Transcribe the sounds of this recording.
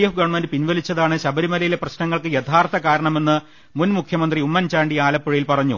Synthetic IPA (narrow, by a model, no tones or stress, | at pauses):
jɐfɡɐɳmɐndɨpinʋɐlit͡ɕːɐðaːɳɨɕɐbɐɾimɐlɐjile̞prɐɕnɐŋːɐɭkɨjet̪ʰaːrt̪ɐkaːɾɐɳɐme̞nːɨ | munmukʰjɐmɐnd̪riumːɐnt͡ɕaːɳɖiaːlɐpːuɻijilpɐrɐɲːṵ